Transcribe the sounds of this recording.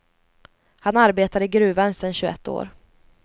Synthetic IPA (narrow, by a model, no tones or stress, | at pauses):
hanaɾbeːt̪ad̪əɡɾʉ̟ːvansɛnɕɵɛ̰t̪ːo̰ːɾ